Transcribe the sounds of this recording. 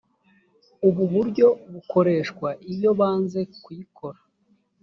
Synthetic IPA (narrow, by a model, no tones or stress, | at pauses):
uβuβuɾɟo̞βuko̞ɾe̞ʃkwaʔiβjo̞βaːnze̞kwujikʰo̞ɾḁ